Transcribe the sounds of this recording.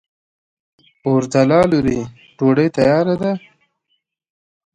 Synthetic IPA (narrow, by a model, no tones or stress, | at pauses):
ʊɾd̪alɑːluɾi | ɖoɽəjt̪ajɑɾad̪a